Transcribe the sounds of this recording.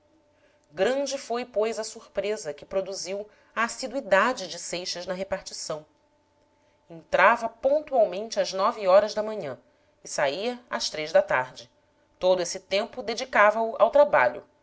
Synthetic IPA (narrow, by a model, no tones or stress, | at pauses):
ɡɾɐ̃d͡ʒɪfojpojzɐsuɾpɾezɐkɪpɾod̪uziw | ɐːsid̪uid̪ad͡ʒɪd͡ʒɪsejʃɐznɐɦepaɾt͡ʃisɐ̃w̃ | ẽnt̪ɾavɐpõnt̪uawmẽnt͡ʃɪɐznɔviɔɾɐzd̪ɐmɐ̃ɲɐ̃ | ɪsaiɐɐʃt̪ɾejzd̪ɐt̪aɾd͡ʒɪ | t̪od̪ʊesɪt̪ẽmpʊd̪ed͡ʒikavɐʊʔa̰wt̪ɾaba̰ʎʊ̰